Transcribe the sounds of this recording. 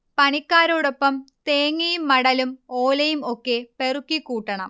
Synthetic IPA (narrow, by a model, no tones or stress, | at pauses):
pɐɳikːaːɾoːɽo̞pːɐmt̪eːŋːɐjumːɐɽɐlumoːlɐjumo̞kːe̞pe̞rukːikːuːʈːɐɳɐ̰m